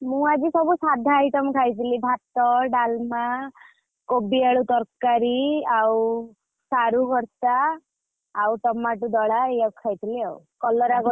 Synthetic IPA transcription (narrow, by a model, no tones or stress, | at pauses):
mũad͡ʒisɔbusad̪ʱaajʈɔmɔkʰajt̪ʰilibʱat̪ɔɖalma | kobiaɭut̪ɔɾkaɾiaw | saɾuɡʱɔɾt̪aː | wʈ̪ɔmaʈud̪ɔɽaejɔkkʰajt̪ʰiliawkɔlɔɾaɡɔ